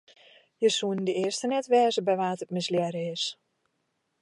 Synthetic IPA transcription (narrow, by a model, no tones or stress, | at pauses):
jəsuəndəɪərstənɛtʋɛːzəbɛjʋaːtət̚məsljɛɾəɪs